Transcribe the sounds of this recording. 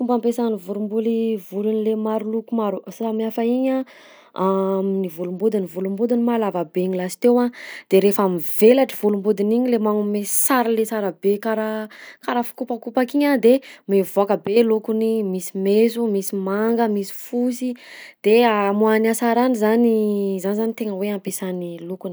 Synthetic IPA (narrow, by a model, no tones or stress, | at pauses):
fumbampesanivuɾumbulivulunilemaɾulukumaɾusamiafaiɲa | amnivulumbud̪inivulumbud̪inimalavabeɲilasi̥t̪ewad̪̥eɾefamivelaʈ͡ʂiv̥ulumbud̪iniɲilemaŋumesaɾlesaɾabekaɾakaɾafu̥kupakupakiɲad̪emevoakəbelukunimisimezumisimaŋɡəmisi̥fusid̪̥eamuanasaɾanizanizanizanit̪eŋəweampesanilukuni